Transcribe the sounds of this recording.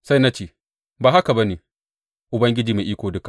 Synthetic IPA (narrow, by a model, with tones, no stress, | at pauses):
sa˦jna˦t͡ʃeː˨ | baː˨ɦa˦ka˨ba˦neː˨ | ʔʊ˨bɐ˦ŋɡʲɪ˦d͡ʒiː˨meː˨ʔiː˦kʷoː˨dʊ˦ka˨ʔ